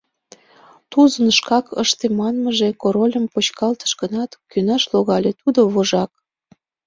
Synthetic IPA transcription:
t̪uzənʃkɑkə̰ʃt̪emɑnməʒekoɾolʲəmpot͡ɕkɑlt̪ə̥ʃɡənɑt̪kynɑʃloɣɑlʲet̪ud̪oβoʒɑk̚

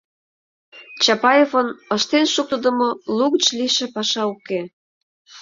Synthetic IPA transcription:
t͡ɕɑpɑjefənəʃt̪enʃuk̚t̪əd̪ə̆moluɣt͡ɕliʃĕpɑʃɑuke

